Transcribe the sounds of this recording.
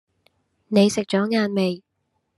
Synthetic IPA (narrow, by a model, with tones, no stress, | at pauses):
ne˨˧jsɪ˨k̚t͡ʃɔː˨˥ŋaː˨˧nme˨j